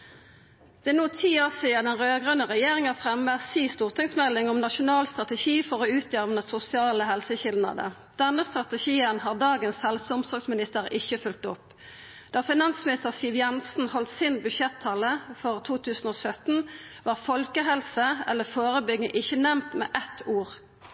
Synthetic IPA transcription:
d̪̥ɛnuːt̪ʰiːoːsiːəd̪ɛnʁøːɡʁœnəʁɛjeːʁɪŋɑfʁɛməsiːst̪uːʁt̪ʰɪŋsmɛlːɪŋʊmnɑʃʊnɑːlst̪ʁɑt̪əʃiːfɔʁoʉːt̪jœʁʋənəsʊsɪɑːləɦɛlsəçɪld̪nɑ̰d̪ə̰ | d̪̥ɛnːəst̪ʁɑt̪əçiːənhɑːʁd̪ɑːɡənshɛlsəʊmsɔksmɪnɪst̪əʁɪçəfʏlt̪ʊp | d̪̥ɑːfɪnɑnsmɪnɪst̪əʁsiːʋjɛnsn̩hɔlt̪sɪnbʉʃɛt̪ʰːɑːləfɔʁt̪ʰuːt̪ʰʉːsn̩oːsœt̪n̩ʋɑːʁfɔlkəɦɛlsəɛlːəfoːʁəbʏɡəʔɪçənɛmt̪mɛ̰ːʔɛt̪ʰːuːʁ

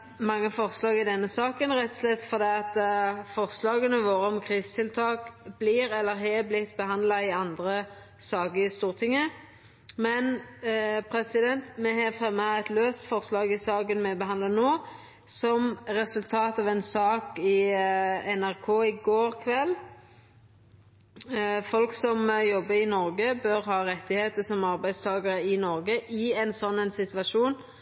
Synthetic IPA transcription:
mɑŋːəfɔʁslɑːɡɪd̪ɛnːəsɑːkənʁɛt̪ʰːɔ̥slɛt̪ːfɔʁd̪iːɑt̪fɔʁslɑːɡənəʋoːɾəɔmkʰʁiːst̪ʰɪlt̪ʰɑːkb̥liːɾɛlːəɾɦɛblɪt̪ːbəɦɑnd̪lɑɪɑnd̪ɾə | sɑːɡəst̪uːʁt̪ʰɪŋːə | mɛn | pʰɾɛsɪd̪ɛnt̪mɛɦɑfʁɛmːɑɛt̪løːst̪fɔʁslɑːɡɪsɑːkənmɛbəɦɑnd̪lɑnoː | sɔmɾɛsʉlt̪ʰɑːt̪ɑːʋɛnsɑːkɪ | ɛnæʁkʰoːɪɡoːɾkʰʋɛlː | fɔlksɔmjɔbːəɪnɔɾɡəbœɾɦɑːʁɛt̪ːɪheːt̪əsɔmɑʁbæɪdst̪ʰɑːɡəɾəɪnɔɾɡəʔɪɛnsɔnːɛnsɪt̪ʋɑʂuːn

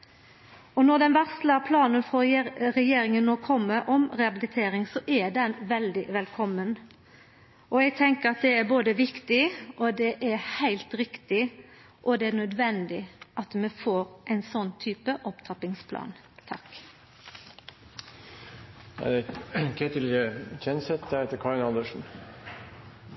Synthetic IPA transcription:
ɔnɔʁd̪ɛnʋæʁsləpʰlɑːnənfʁɔʁɛjeːɾɪŋənːoːkʰɔmːəʔɔmʁɛɑbɪlɪt̪ʰeːɾɪŋsɔʔɛd̪ɛnʋɛld̪ɪʋɛlkʰɔmːən | ʔɔɛɡ̚t̪ʰɛŋkəʁɑt̪̚d̪ɛæɾboːd̪əʋɪkt̪ɪʔɔd̪ɛʔæɾhæɪlt̪ɾɪkt̪ɪ | ʔɔd̪ɛænœd̪ʋɛnd̪ɪʔɑt̪mɛfoːɾʔæɪnsɔnːt̪ʰyːpəʔɔpt̪ʰɑpɪŋspʰlʔɑ̰ːn | t̪ʰɑk | æ̰ɪd̪ɛkʰɛt̪ɪləçɛnsɛt̪̚d̪æːɾheːt̪əɾkʰɑɾɪnɑnd̪əʂn̩

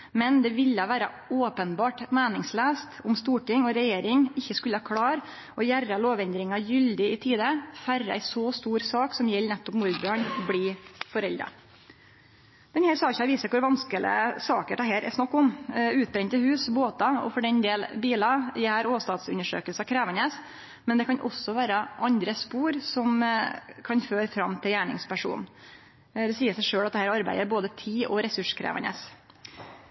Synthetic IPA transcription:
mɛnd̪ɛʋɪljɑʋæːɾɑ | oːpənbɑːʈmeːnɪŋsleːst̪ʊmst̪uːʈɪŋɔɾɛjeːɾɪŋɪçːəskʉlːəɑkʰɽɑːɾ | ɔjærːɑloːʋɛnd̪ɾɪŋɑjʏld̪ɪɪt̪ʰiːd̪əfærːəæ̰ɪsɔst̪uːɾsɑːksɔmjɛlːnɛt̪ːɔpmuɾbøːɳɔbliːfɔɾɛld̪ɾɑ̰ | mɛnhæːɾsɑːɪçæʋiːsəkʊɾʋɑnskələ̰sɑːkəʈ̪ɑɦeːɾʔɛ̰snɑkːʊmʉːt̪̚bɾɛɲt̪əhʉːsboːt̪ɑɔ̰fɔɖɛnd̪eːlbiːlɑjɛæːɾoːst̪ɑːd̪sʉ̰nːəʂø̰ːkəlsɑkʰɾæːʋənəs | mɛnd̪ɛkʰɑnʔɔ̰sːɔʋæːɾəʔɑnd̪ɾəspuːɾsɔmkʰɑnføːɾfɾɑmt̪ʰɪljæːɳɪ̰ŋspæʂṵːn | d̪ɛsiːəsæɪʂøːɽɑt̪d̪ɛhæːɾɑɾbæ̰ɪd̪əɾboːd̪ət̪ʰiːʔɔɾɛsʉʂkʰɾæ̰ːʋə̰nə̰ːs

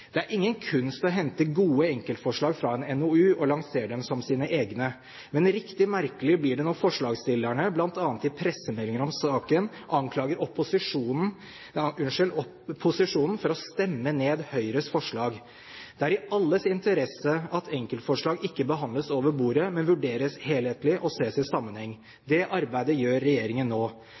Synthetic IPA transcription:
d̪̥ɛæɾʔɪŋːənkʰʉnst̪ɔɦɛnt̪əɡuːəɛŋkəlt̪fɔʂɭɑːɡfɾɑɛnɛnoʉːʔɔlɑŋseːɖɛmsɔmsiːnəʔeːɡnə | mɛnɾɪkt̪ɪmæɾkəlɪblɪɖɛnɔfɔʂɭɑːɡst̪ɪlːæɳəblɑnt̪ɑːnt̪ɪpʰɾɛsəmɛlːɪŋəɾɔmsɑːkən | ʔɑŋkʰlɑːɡəɾɔpːʊsɪʂuːnn̩ | ʉnʂɪl | pʰːʊsɪʂuːnn̩fɔɾɔst̪ɛmːəneːd̪hœʏɾəsfɔʂɭɑːɡ | d̪̥ɛæɾɪʔɑlːəsɪnt̪əɾɛsəɑt̪ʰɛŋkəlt̪fɔʂɭɑːɡɪkːəbəɦɑnd̪ləsoːʋəɾbuːɾəmɛnʋʉɖeːɾəsheːlheːt̪lɪʔɔseːsɪsɑmːənhɛŋː | d̪ɛʔɑɾbæɪd̪əjøːɾːɛjeːɾɪŋənːoː

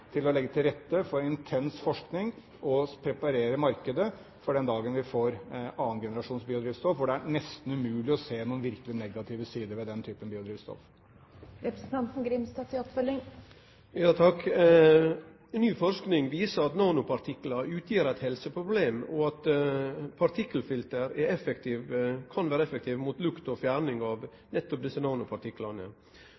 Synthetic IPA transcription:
t̪ʰɪlɔlɛɡːət̪ʰɪlɾɛt̪ːəfɔɾɪnt̪ʰɛnsfɔʂknɪŋ | ʔɔpʰɾɛpɑɾeːɾəmɑɾkəd̪ə | fɔɖɛnd̪ɑːɡənʋɪfoːɾɑːənɡɛnəɾɑʂuːnsbiːʊd̪ɾiːʋst̪ɔfʋʊɖɛæɾɳɛst̪n̩ʉmʉːlɪɔseːnuːənʋɪɾkəlɪnɛɡɑt̪ʰɪːʋəsiːd̪əɾʋɛd̪ɛnt̪ʰyːpənbiːʊd̪ɾiːʋst̪ɔ̰f | ɾɛpɾəsn̩t̪ɑnt̪n̩ɡɾɪmst̪ɑːfɪɔpfœlːɪŋ | jɑːt̪ʰɑkː | nːyːfɔɾʂknɪŋʋiːsəɾɑt̪nɑːnʊpʰɑɾt̪ʰɪklɑʉːt̪ʰjiːɾæt̪hɛlsəpʰɾʊbleːmɔɑt̪ | pʰɑɾt̪ʰɪkːəlfɪlt̪əɾɛɛfɛkt̪ʰiːʋkʰɑnʋæːɾəɛfək̚t̪ʰiːʋmuːt̪lʉkt̪ɔfjæːɾɳɪŋɑʋ | nɛt̪ːɔp̚d̪ɪsənɑːnʊpʰɑɾʈ̪ɪklɑnə̰

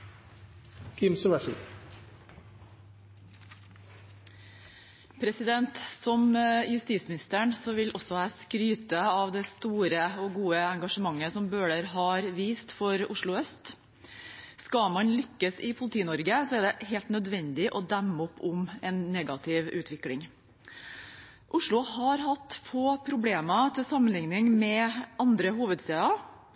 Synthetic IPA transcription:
kʰɪmsʊʋæʂə̰ | pʰɾɛsɪd̪ɛnt̪sɔmjʉst̪iːsmɪnɪst̪əɳsɔʋɪlʔɔsɔhæːskɾyːt̪əɑʋd̪ɛst̪uːɾəɔɡuːəɛŋɡɑʂəmɑŋːəsɔmbøːɽəɾɦɑːɾʋiːst̪fɔɾʊʂɭʊœst̪ | skɑmɑnlʏkːəsɪpʰʊlɪt̪ʰiːnɔɾɡəsɔæɖɛhɦeːlt̪nœd̪ʋɛnd̪ɪʔɔd̪æmːəɔpːʊmɛnːɛɡɑt̪ʰɪʋʉːt̪ʋɪklɪŋ | ʔʊʂɭʊhɑɾɦɑt̪foːpʰɾʊbleːmɑt̪ʰɪlsɑmːənlɪŋnɪŋmɛɑnd̪ɾəɦuːʋəd̪seːɑ

